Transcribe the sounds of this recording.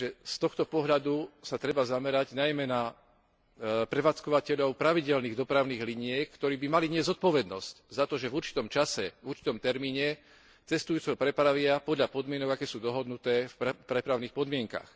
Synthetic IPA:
ʒɛst̪ɔxt̪ɔpɔɦʎad̪usat̪ɾɛbazamɛɾaɟnajmɛna | pɾɛʋaːt͡skɔʋacɛʎɔʊpɾaʋiɟɛlniːɣd̪ɔpɾaʊniːɣliɲɪɛkkt̪ɔɾiːbimaliɲɪɛzɔt̪̚pɔʋɛd̪nɔsczat̪ɔʒɛvuɾt͡ʃi̥t̪ɔmt͡ʃasɛuɾt͡ʃi̥t̪ɔmt̪ɛɾmiːɲɛ | t͡sɛst̪ujuːt͡sɛɦɔpɾɛpɾaʋɪapɔd̪ʎapɔd̪mɪɛnɔɡakɛːsuːd̪ɔɦɔd̪nut̪ɛːfpɾɛpɾaʊnixpɔd̪mɪɛŋka̰x

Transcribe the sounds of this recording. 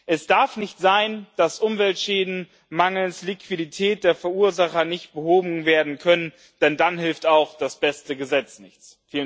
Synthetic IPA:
ʔɛsd̥aɐfnɪçtz̥aɪnd̥asʔʊmvɛltʃɛːdn̩ | maŋl̩nslikv̥iditʰɛːt̚d̥eːɐfɛɐuːɐzaχɐnɪçt̚b̥əhoːbm̩veːɐdn̩kʰœnən | d̥ɛndanɦɪlftaʊxd̥asb̥ɛstəɡəzɛt͡snɪçt͡s | fiːlə

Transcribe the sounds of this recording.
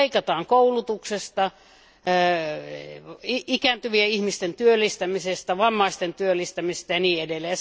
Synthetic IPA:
ikɑt̪ɑːŋkoulut̪uksest̪ɑ | iikænt̪yʋieihmist̪ent̪yølːist̪æmisest̪æʋɑmːɑist̪ent̪yølːˑist̪æmist̪æjɑniːedelːeːj

